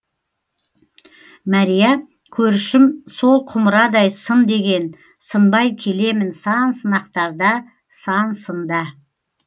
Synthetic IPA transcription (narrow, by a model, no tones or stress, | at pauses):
mɑɾijɑ | kʲʰɵɾʃɪmso̞lˠqʰʊməɾɑd̪ɑjsənd̪e̞ɡʲe̞n | sənbɑjkʲʰe̞le̞mɪnsɑnsənɑqt̪ɑɾd̪ɑ | sɑnsənd̪ɑ